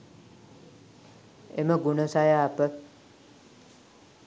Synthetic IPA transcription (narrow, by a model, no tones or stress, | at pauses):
ḛməɡunəsajaːpə